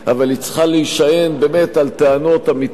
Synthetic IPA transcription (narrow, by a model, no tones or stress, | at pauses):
avalit͡sχaleiʃaje̞nbeme̞t̪alt̪eano̞tamit